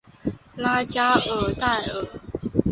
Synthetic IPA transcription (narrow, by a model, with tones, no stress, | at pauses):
la˥t͡ɕja˥ə˨˩t̪a˥˩ɪə˨˩˦